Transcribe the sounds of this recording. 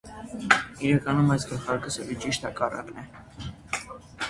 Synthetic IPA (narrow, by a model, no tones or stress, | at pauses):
iɾɑkɑnumɑjsɡəɾχɑɾkəsəlit͡ʃiʃt̪hɑkɑrɑ̰knɛ